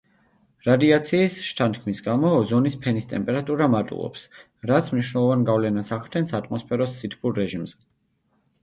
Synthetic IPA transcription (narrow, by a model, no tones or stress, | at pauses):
ɾad̪iat̪sʰiːsʃt̪ʰant̪kʰmisɡamɔzɔnispʰɛnist̪ʼɛmpʼɛɾat̪ʼuɾamaɾt̪ʼṵlˠɔ̰ps | ɾat̪sʰmniʃwnɛlˠɔvanɡavlɛnasaʁt̪ʰɛnsat̪ʼmɔspʰɛɾɔsːit̪ʰpʰuɾːɛʒimzɛ